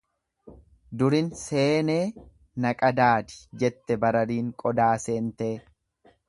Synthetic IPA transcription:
d̪ʊɾɪnse̞ːneː | nɐkʼɐd̪aːd̪ɪ̥d͡ʒɛt̪ːɛbɐɾɐɾiːŋkʼɔd̪aːseːnt̪eː

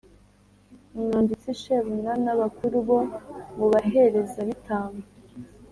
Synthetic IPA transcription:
umŋaːndit͡siʃeβunanaβakuɾuβomuβaɦe̞ɾe̞zaβitʰaːŋa

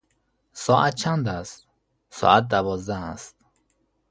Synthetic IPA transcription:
sɔːʔat̪̚t͡ʃʰand̪æst̪̚ | sɒ̰ːat̪̚d̪ævɒzd̪æːst̪̚

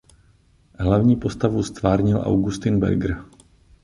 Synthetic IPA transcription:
ɦlavɲiːpost̪avust̪vaːɾɲɪlʔa̰wɡust̪ɪnbɛ̰ɾɡɾ̩

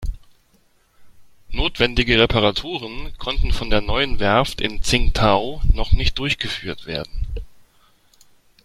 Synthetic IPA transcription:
noːtv̥ɛndɪɡəʁepʰaʁatʰuːʁ̞ənkʰɔntn̩fɔndeːɐnɔʏənvɛɐftɪ̰nt͡sɪŋtʰaʊnɔχnɪçt̚d̥ʊɐçɡ̥əfyːɐtv̥eːɐdn̩

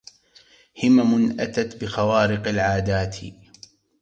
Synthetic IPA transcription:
hɪmamʊnʔat̪at̪bɪxawaːɾɪqalʕaːd̪aːt̪ʰ

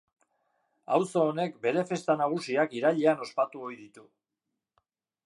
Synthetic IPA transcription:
a̰wso̞ːne̞kbe̞ɾe̞fe̞st̪anaɣ̞usiakiɾaʎeano̞spat̪uo̞jðit̪u

